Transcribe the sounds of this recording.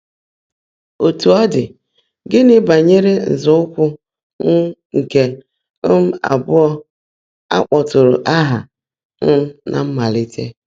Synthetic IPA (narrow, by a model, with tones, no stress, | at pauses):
o˨tu˨ɔ˦dɪ˨ | ɡɪ˦nɪ˦ba˨ɲe˦ɾe˦n̩˨zʊ˦ʊ˦kʷʊ˦ | n̩˦ŋ̩˨ke˨˦ | m̩˦a̰˨bʊ˦ɔ˦ | a̰˦k͡pɔ˨tʊ˨ɾʊ̰˨ʔa˦ɦa̰˨ | n̩˦m̩˦nʔa̰˨m̩˦ma˨lɪ˦tʰḛ˦